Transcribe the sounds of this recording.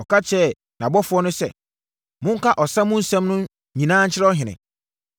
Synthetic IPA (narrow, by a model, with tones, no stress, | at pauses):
ɔ˨kʰa˦t͡ɕʰɛ˦˨ | nã˨bɔ˦fʊ˦ɔ˦nʊ̃˦sɛ̰˨ | mʊ̃˦ŋ̩˦kʰa˦ʔɔ˨sã˦mʊ̃˦n̩˦sɛ̃˦mnʊ̃˦ | ɲĩ˨nãː˦n̩˦t͡ɕʰɪ˦ɾɛ˦ɔ˦ɦɪ̃˨nɪ̰̃˨